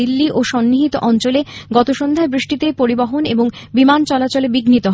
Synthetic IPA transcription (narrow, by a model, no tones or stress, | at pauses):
ilːiʔoʃɔnːiɦit̪oʔɔnt͡ɕoleɡɔt̪oʃond̪ʱaebɾiʃʈit̪epoɾibaɦoneboŋ | bimant͡ɕɔlat͡ɕolebiɡnit̪oɦ